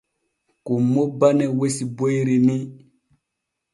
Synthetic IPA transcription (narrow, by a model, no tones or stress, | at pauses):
kumːobanewesibojɾini